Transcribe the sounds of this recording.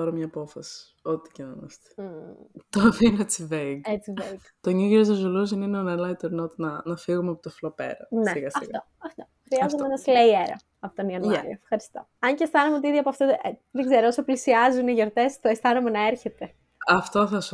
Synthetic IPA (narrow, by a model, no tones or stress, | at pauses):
ɐɾomɲɐpo̞fɐsi̥ | ot̪i̥cenomɐ̰st̪e̥ | t̪oɐfinoet͡siveiɡet͡sivek | t̪oɲiɣiɾozɐzuluzinineonelɐit̪eɾnot̪nɐnɐfiɣumeɐpot̪oflopḛɾɐ̰nesiɣɐsɐift̪o | ɐft̪oxɾiɐzomeenɐslejeɾɐ̰ | ɐpot̪oniɐnoɾɐefxɐɾist̪o̞ɐɲcest̪ɐnumeot̪iiðiɐpoɐft̪oeðeɡzeɾoosoplisiɐzuniʝoɾt̪e̞st̪oest̪ɐnumenɐe̞ɾçe̞t̪e̞ | ɐft̪oθɐs